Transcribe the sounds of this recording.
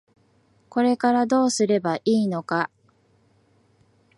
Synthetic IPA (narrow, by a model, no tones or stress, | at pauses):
ko̞ɾe̞kaɾad̪o̞ːsɨɾe̞baʔiːno̞ka